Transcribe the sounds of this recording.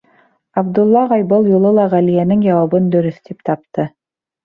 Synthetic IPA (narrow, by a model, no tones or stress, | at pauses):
ɑbd̪ulˠːɑʁɑjbɤlˠjulˠɤlˠɑʁælijænɘŋjɑwɑβɤnd̪ɵ̆ɾɵθt̪ip̚t̪ɑp̚t̪ɤ